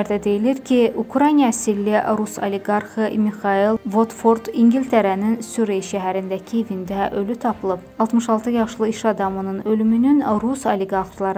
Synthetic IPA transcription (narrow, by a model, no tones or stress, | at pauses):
ɾd̪æd̪e̞jiliɾcʰiukʰɾɑjnijɑsilːiɾuso̰lʲeɡɑɾχɯmixɑilˠvot̪foɾd̪iŋɡilʲt̪ʰeɾæninsuɾeʃæɦæɾind̪æcʰievind̪æʔø̞lyt̪ʰɑpʰɯlˠɯb | ɑlˠt̪mɯʃɑlˠt̪ʰɯjɑʃlˠɯiʃɑd̪ɑmɯnɯnø̞lymynynɾusoleɡɑɾχlˠɑɾ